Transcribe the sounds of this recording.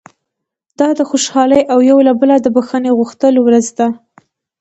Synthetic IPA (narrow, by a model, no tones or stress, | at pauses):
d̪̥ɑd̪əxoʃɑləjʔawjawlabəlad̪əbaxəneɣuxt̪əlowɾəzd̪a